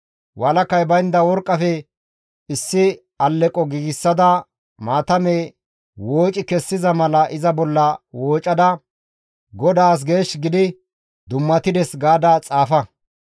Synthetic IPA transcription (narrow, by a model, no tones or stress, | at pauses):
wɐlɐkːɐjbɐjnd̪ɐwɔɾkʼːɐfɛ | ɪsːɪ | ɐlːɛkʼɔɡiːɡɪsːɐd̪ɐ | maːt̪ɐmeː | woːt͡ʃʼɪkɛsːɪzɐmɐlɐʔɪzɐbɔlːɐwoːt͡ʃʼːɐd̪ɐ | ɡɔd̪aːs̬ɡe̞ːʃɡɪd̪ɪ | d̪ʊmːɐt̪ɪd̪ɛsɡaːd̪at͡sʼaːfɐ